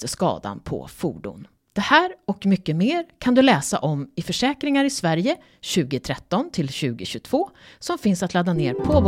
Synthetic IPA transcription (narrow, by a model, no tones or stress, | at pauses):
t̪əskɑ̰ːd̪a̰npʰɔ̰fṵːɖʊ̰n | d̪̥ɛhæːɾɔkmʏkːəmeːɾkʰand̪ɵlɛːsa̰ʔɔmɪfœʂɛːkɾɪŋaɾɪsvæɾjə | ɕʉ̟ːɡɪt̪ʰɾɛt̪ːɔnt̪ʰɪlɕʉ̟ːɡɪɕɵt̪ʰv̥oːsɔmfɪnsat̪lad̪anḛːɾpʰoːb